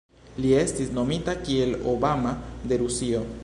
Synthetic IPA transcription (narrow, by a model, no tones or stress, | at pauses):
lie̞st̪isno̞mit̪akielo̰bamad̪e̞ɾusio